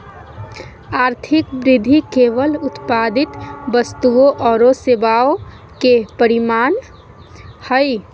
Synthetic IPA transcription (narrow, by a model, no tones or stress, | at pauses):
aːɾt̪ʰɪkbɾɪd̪ʱikeːʋəlʊt̪paːd̪ɪt̪bəst̪uoʔɔːɾosebaːo | kepəɾɪmaːn | həj